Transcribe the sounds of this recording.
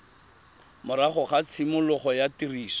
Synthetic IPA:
mʊɾaχʊχat͡sʰimʊlʊχɔjatiriːsɔ̥

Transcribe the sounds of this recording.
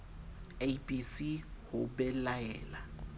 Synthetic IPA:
eibʼisihʊbɛlaɛːla

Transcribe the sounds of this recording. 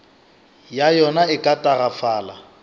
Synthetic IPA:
jajɔnaɪkʼatʼaɣafaːla̰

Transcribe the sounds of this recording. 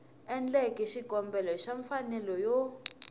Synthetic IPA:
ɛnd͡ɮɛkʼiʃiɡʱɔmbɛlɔʃaɱfanɛlɔjɔ

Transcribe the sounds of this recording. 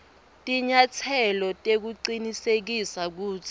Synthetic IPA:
tʼiɲat͡sʰɛlɔtʼek̬uǃinisek̬isak̬uːt͡sʰi̥

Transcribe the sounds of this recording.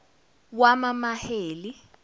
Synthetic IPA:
wamamaheːli

